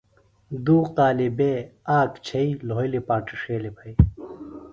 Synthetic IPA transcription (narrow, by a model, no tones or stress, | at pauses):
d̪uːqaːlibeaːkt͡ɕʰɐilojlipaːʈiʂeːlebʰʱɐj